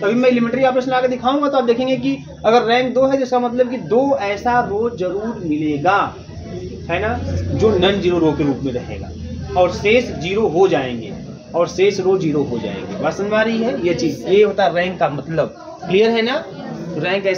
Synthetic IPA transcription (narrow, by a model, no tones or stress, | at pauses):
ɐbʱimɛ̃ɪlɪmẽɳʈəɾiaːpesmeaːkeɾd̪ɪkʰaːũŋɡat̪oaːp̚d̪eːkʰẽːŋɡek̬i | ɐɡəɾːɛ̃ːŋk̚d̪oːɦɛd͡ʒɪskamɐt̪ləb̚kid̪oːɛːsaɾoːzɐɾuːɾmɪleːɡaː | ɦɛːnad͡ʒoːnɐnd͡ʒiːɾoɾoːkeɾuːpmẽɾɐkʰḛ̃ːɡa̰ː | ɔːɾseːsd͡ʒiːɾoɦod͡ʒaːḛ̃ːŋɡḛː | ɔːɾseːsɾoːd͡ʒiːɾoɦod͡ʒa̰ːḛ̃ːŋɡḛbasənʋaːɾɐɦiɦɛjet͡ʃiːzjeɦoːt̪aɦɛɾɛ̃ːŋkːamɐt̪ləb̚ | klijəɾɦɛnaɾɛ̃ːŋkɛː